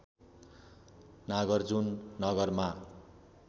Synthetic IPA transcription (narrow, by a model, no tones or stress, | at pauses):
naɡʌrd͡zunːʌɡʌrma